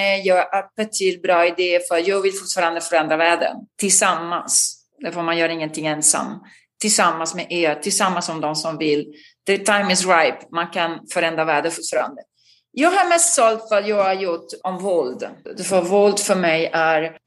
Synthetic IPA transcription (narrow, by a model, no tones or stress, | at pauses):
nɛjɑːɡʔæɾb̥ɛt̪ʰyːlbɾɑːɪd̪eːəfœɾat̪jɑːɡvɪlfʊ̥ʈfɑːɾand̪əfœɾɛnd̪ɾavæːɖə̰t̪ʰɪlsamːa̰ns | d̪ɛfəmanjœːɾaɪŋːənt̪ʰɪŋːɛnsa̰mː | t̪ʰɪlsamːansmeʔeːɾt̪ʰɪlsamːansːɔmd̪ɔmsɔmvɪlː | d̪̥ɛt̪ʰajmɪs̬ɾajpmankʰanfœɾɛnd̪ɾavæːɖəfʊʈfɑːɾa̰nd̪ə | jɑːɡɦaɾmɛst̪sɔlt̪fœɾat̪jɑːɡæɾjʊʈːɔmvɔld̪d̪ɛfɔvɔld̪fœɾmɛjʔæɾ